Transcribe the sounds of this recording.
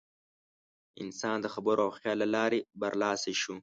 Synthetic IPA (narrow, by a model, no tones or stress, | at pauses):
ɪ̰nsɑːnd̪əxabəɾoawxjɑːlalɑːɾebɐɾlɑːseʃu